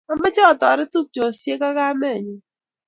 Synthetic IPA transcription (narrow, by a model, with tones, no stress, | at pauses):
ɔ˨mɪ˦t͡ʃɛ˦ɔ˨tɔ˨ɾɪ˦tu˦k̚t͡ʃo˨sje˦ka˦ka˦me˦˨ɲʊ˦